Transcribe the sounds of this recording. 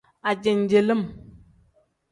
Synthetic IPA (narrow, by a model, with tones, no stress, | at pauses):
a˨d͡ʒe˨n˨d͡ʒe˨lə˦m